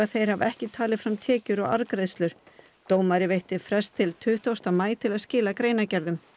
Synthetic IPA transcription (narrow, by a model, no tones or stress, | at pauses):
aðθejɾ̥havɛhcɪt̪ʰaːlɪðfɾamt̪ʰɛːcʏɾɔɣa̰ɾkɾejðst̪lʏɾ̥ | t̪oːwmaɾɪvejht̪ɪfɾɛst̪ʰːɪlt̪ʰʏht̪owst̪amaːjt̪ʰɪlaðscɪːlakɾeːjnacɛɾðʏm